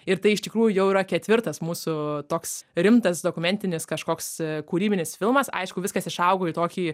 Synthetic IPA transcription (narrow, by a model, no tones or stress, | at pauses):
ɪɾt̪ɐɪɪʃt̪ʲɪkɾuːjʊjɛʊiːɾɐkʲɛt̪ʲʋʲɪɾt̪ɐsmuːsʊt̪oːksɾʲɪmt̪ɐsd̪oːkʊmʲɛnʲt̪ʲɪnʲɪskɐʃkoːkskuːɾʲiːbʲɪnʲɪsfʲɪlˠmɐsɐ̰ɪʃkʊʋʲɪskɐsɪʃɐʊɡoːiːt̪oːkʲiː